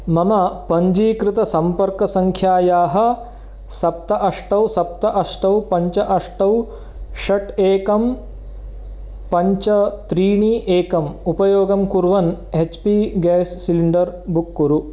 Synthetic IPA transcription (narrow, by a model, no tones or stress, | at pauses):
mɐmɐpɐɲd͡ʒiːkɾɪt̪ɐsɐmpɐɾkɐsɐŋkʰjaːjaːɦɐ̆ | sɐp̚t̪ɐʔɐʂʈɐwsɐp̚t̪ɐʔɐʂʈɐwpɐɲt͡ʃɐʔɐʂʈɐw | ʃɐʈeːkɐm | pɐɲt͡ʃɐt̪ɾiːɳiːʔeːkɐmupɐjoːɡɐmkuɾʋɐnet͡ʃpiɡɛːsːiliɳɖɐɾbukːuɾu